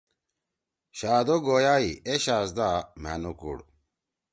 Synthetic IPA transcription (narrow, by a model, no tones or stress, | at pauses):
ɕaːd̪oɡoːjaːieɕaːsd̪ama̰nukṵɽ